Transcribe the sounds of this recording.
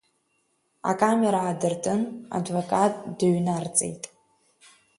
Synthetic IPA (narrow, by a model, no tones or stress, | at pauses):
a̰kʼameɾaʕːdɨrtʰʼɨna̰dvokʼatʼdɨɥnart͡sʼḛjtʼ